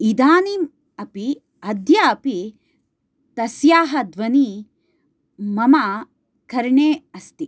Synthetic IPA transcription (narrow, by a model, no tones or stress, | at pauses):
id̪aːnim | ɐpi | ɐd̪jaɐpi | t̪ɐsjaːɦɐd̪ʋɐni | mɐma | kɐɾɳeːɐst̪i